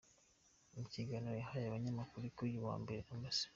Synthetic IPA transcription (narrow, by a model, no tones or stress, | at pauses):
umuciɡanojahajaβaɲamakuɾikujuβa̰ːmbe̞ɾeamasi̥